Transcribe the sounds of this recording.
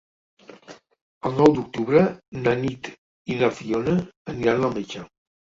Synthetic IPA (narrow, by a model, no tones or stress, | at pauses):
əlˠnɔwd̪uk̚t̪uβɾənanit̪ | inafionəəniɾanamet͡ʃa